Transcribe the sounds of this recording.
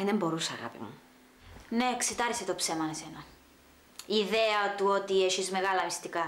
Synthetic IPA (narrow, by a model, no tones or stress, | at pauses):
ðembo̞ɾusɐɣɐ̰pḭmṵ | ne̞ekset̪ɐɾeset̪opse̞mɐnese̞nɐ | iːðeɐt̪uot̪ieʃizme̞ɣɐlɐːmist̪ikɐ